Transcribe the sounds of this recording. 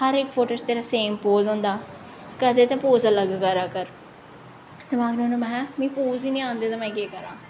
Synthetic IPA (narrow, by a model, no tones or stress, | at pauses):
həɾɪkpʰoːʈost̪eːɾaːseːmpoːzõːnd̪aː | kət̪eːt̪ẽːpoːzələɡkəɾaːkəɾ | t̪eːmaːɡnõːnomɛ̃ːmĩːpuːziːnĩːãːnd̪eːt̪ãːmɛ̃ːkeːkəɾãː